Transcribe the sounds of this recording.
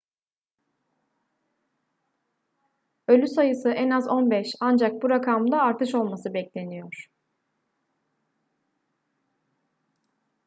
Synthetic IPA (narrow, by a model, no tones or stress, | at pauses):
ø̞lʲysajɯsɯʔɛnazo̞nbɛʃand͡ʒak̚buɾakʰamd̪aːɾt̪ʰɯʃo̞lˠmasɯbɛclʲe̞nijo̞ɾ̥